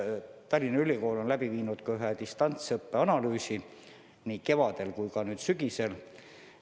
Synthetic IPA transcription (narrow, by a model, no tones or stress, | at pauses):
t̪ɑlʲːinɑylʲiko̞ːlo̞nlæbiviːnud̪̥kɑyɦet̪ist̪ɑnt̪sɤpːe̞ɑnɑlyːsi | nike̞vɑd̪̥e̞lkujkɑnyːd̪̥syɡ̥ise̞l